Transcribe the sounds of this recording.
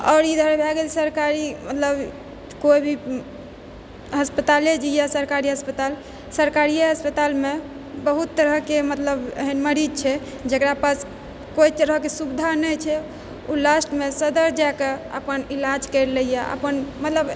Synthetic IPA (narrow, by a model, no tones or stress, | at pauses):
ɔ̰ʊɾid̪ʱəɾbʱɛɡelsəɾkaɾimət̪ləb | koibʱi | ɦəspət̪aled͡ʒijasəɾkaɾiɦəspət̪al | səɾkaɾiəɦəspət̪alme | bəɦut̪ːəɾəkemət̪ləbə̰ɦinməɾid͡ʒt͡ʃʰɛ | d͡ʒekɾapas | kojt̪əɾəkesubd̪ʱanəjt͡ʃʰɛ | ulasʈmesəd̪əɾd͡ʒakeə̰pənilad͡ʒkəɪɾləjaʔə̰pənmət̪ləb